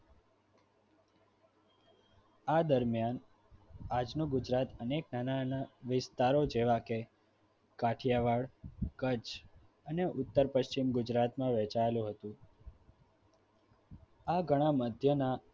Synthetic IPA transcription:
ad̪əɾmjan | ad͡ʒnũɡʊd͡ʒɾat̪əneknananaʋɪst̪aɾod͡ʒeʋake | kaʈʰjaʋaɭkət͡ʃ | əneʔʊt̪ːəɾpəʃt͡ʃimɡʊd͡ʒɾat̪mãʋɛt͡ʃaelũɦət̪ũ | aɡʱəɽ̃ãməd̪ʱjəna

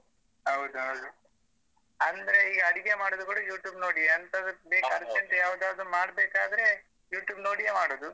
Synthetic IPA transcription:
ɦɐwd̪uɦɐwd̪u | ɐnd̪ɐɾeiːɡɐɐɽiɡemaːɽoːd̪ukoɽujuːʈjuːbnoːɽieɐnt̪ɐd̪beːkɐɾt̪ent̪ejaːʋd̪aːʋd̪ɾumaːɽbeːkaːd̪ɐɾe̞ | juːʈjuːbno̞ːɽijemaːɽoːd̪u

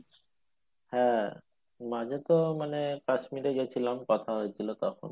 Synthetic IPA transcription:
hɛ̃ | mad͡ʑet̪omanekaʃmiɾeɡet͡ɕʰilamkɔt̪ʰaɦojet͡ɕʰilot̪ɔkʰo̰n

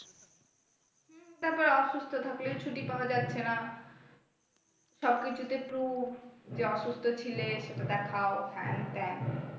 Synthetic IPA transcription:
b̪ɛpaɾeɔʃust̪ʰod̪ʱaklet͡ɕʰuʈipaoad͡ʑatːɕʰena | ʃɔb̚kit͡ɕʰut̪epɾubd͡ʑeɔʃust̪ʰot͡ɕʰileʃeʈad̪ɛkʰaofɛ̰nt̪ɛn

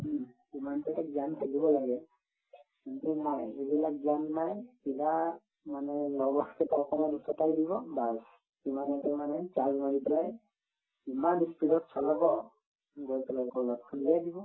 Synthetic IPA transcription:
imanpɛtazankʰulibɔlaɡɛ | kintumɔjebilak̚zianːajpila | manɛlɔbɔkɛtawkɔmɔdusɔtajdibɔbas | imanɛtɛmanɛt͡ʃazmaɹipɛlaj | imanispiɾɔtsɔlɔbɔ | ɡɔpɛlajkɔlɔtkʰuliajdibɔ

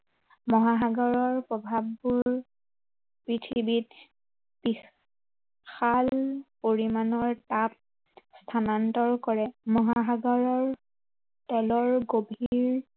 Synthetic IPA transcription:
mɔɦaɦaɡɔɹɔɹpɹɔbʱabːuɹ | pɹitʰibit | pi | xalpoɹimanɔɹtap̚ | stʰanantɔɹkɔɹɛmɔɦaɦaɡɔɹɔɹ | tɔlɔɹɡobʱiɹ

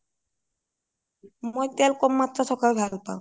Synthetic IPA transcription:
mojt̪ɛlkɔmːat̪ːɾasɔkʰalbʱalpa̰w̃

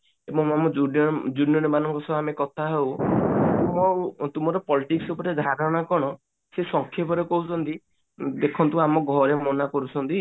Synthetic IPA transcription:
ebɔŋamɔd͡ʒud͡ʒunjɔɾemanɔŋkɔsɔbʱamekɔt̪ʰaɦewtuɔt̪umɔɾɔpɔliʈiksupɔɾed̪ʱaɾɔɽ̃akɔɽ̃ɔ | sesɔŋkʰjepɔɾekɔɦut͡ʃʰɔnt̪i | d̪ekʰɔnt̪uamɔɡʱɔɾemɔnakɔɾut͡ʃʰɔnt̪i

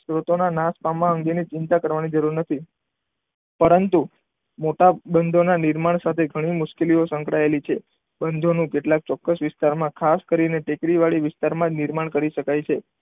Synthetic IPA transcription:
sɾot̪onanaspamãəŋɡenit͡ʃɪnt̪akəɾʋanid͡ʒəɾuɾnət̪ʰi | pəɾənt̪u | moʈabənd̪ʱonanɪɾmaɳ̃sat̪ʰeɡʱəɽ̃imʊʃkeliosə̃ŋkɽaelit͡ʃʰe | bənd̪ʱonũkeʈlak̚t͡ʃɔkːəsʋɪst̪aɾmãkʰaskəɾineʈekɾiʋaɭiʋɪst̪aɾmãd͡ʒnɪɾmaɳkəɾiʃəkajt͡ʃʰe

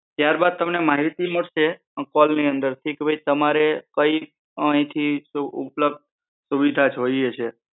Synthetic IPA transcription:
t̪jaɾbad̪̚t̪əmnemaɦit̪iməɽʃe | kɔlniənd̪əɾt̪ʰikebʱəjt̪əmaɾekəi | əĩt̪ʰiuṵpləb̚d̪̚ | suʋid̪ʱad͡ʒɦojet͡ʃʰe

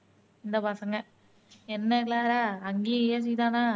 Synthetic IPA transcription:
ɪnd̪ɐpaːsɐŋɡɐ | ɛnːɐklaːɾaːɐŋɡeːjeːs̬ɪjt̪ãːnãː

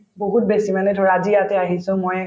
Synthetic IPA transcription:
boɦut̚besimanɛdʱɔɹaazijatɛaɦisʊ̃moj

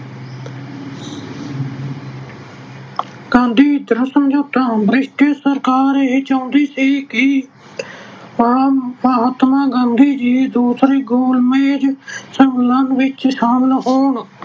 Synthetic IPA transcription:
ɡãːnd̪ʱiːd̪əɾəsəmd͡ʒoːt̪ãbɾɪʃʈesəɾkaːɾeɦiːt͡ʃaʊ̃nd̪iːsiːkɪ | maaːɦət̪maːɡãːnd̪ʱiːd͡ʒiːd̪uːsɾeːɡoːlmẽːd͡ʒsəŋɡlənʋɪt͡ʃʃaːmnɦoːɳ

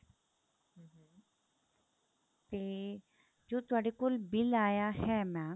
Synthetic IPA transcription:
ɦ̩ɦ̩ | t̪eː | d͡ʒoːt̪ʊaːɽekʊlbɪlaːjaɦɛːmɛ̃

